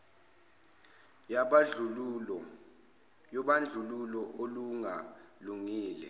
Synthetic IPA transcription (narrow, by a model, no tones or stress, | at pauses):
jaɓaɮuɔ | jɔɓand͡ɮʱululɔʔoluŋaluŋiːlɛ